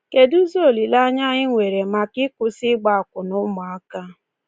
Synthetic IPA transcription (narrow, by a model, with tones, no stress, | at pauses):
ke˨du˦zo˦o˨li˨la˦ɲa˦ɣɪ˦ŋʷe˨ɾe˨ma˨kɪ˦kʊ˦sɪ˦ɡ͡ba˦a˨kʊ˨nʊ˦mʊ˨a˦ka˦